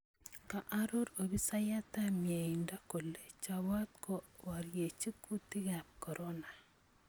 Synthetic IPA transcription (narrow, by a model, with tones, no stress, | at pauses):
ka˨ʔaɾo˦ɾo˨bi˦sa˦ja˦t̪a˦mje˨i˨nda˦ko˨le˨t͡ʃawa˦t̪̚kɔ˦wa˨ɾje˨t͡ʃi˦ku˦ti˦ɡa˨p̚kɔ˨ɾʔɔna˨